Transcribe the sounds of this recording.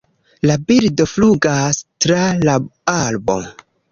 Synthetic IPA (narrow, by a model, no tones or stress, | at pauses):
labildo̞fluɡastɾalaalbo̞̰